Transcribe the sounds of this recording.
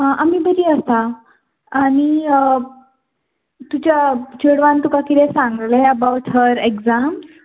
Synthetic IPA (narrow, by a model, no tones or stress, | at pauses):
ɦãʔamiːbəɾiːəst̪a | aɽ̃i | t̪ut͡ɕat͡ɕəɽʋãnt̪ukakit̪ɛ̃sãŋɡlɛəbawʈɦəɾeɡd͡zam